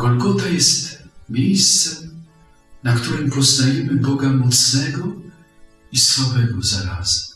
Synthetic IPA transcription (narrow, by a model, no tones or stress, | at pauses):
ɡɔlɡɔt̪ajɛst̪mʲjejst̪sɛm | nakt̪uɾɛmpɔznajɛmɘbɔɡamɔt̪snɛɡɔ | isfavɛɡɔzaɾazɛm